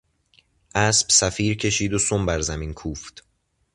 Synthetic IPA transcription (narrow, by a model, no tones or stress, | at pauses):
ʔæːsb̥sæfiːɾcʰe̞ʃiːd̪osombæɾzæmiːnkʰuːft̪